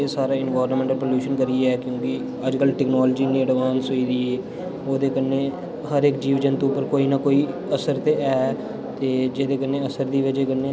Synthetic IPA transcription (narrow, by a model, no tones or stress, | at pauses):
eːsaːɾaːɪnʋaːɾəmmẽːɳʈəlpoːljuːʃənkəɾiɛːkjõːkɪ | əd͡ʒkəlʈɛːknaːld͡ʒiːnẽːəɖʋãːnsoiːd̪iːeː | oːd̪eːkənːeː | ɦəɾɪkd͡ʒiːʋɪd͡ʒənt̪oʊpːəɾkoːiːnaːkoːiː | əsəɾt̪eːɛː | t̪eːd͡ʒeːd̪eːkənːeːəsəɾd̪iːʋɪd͡ʒeːkənːeː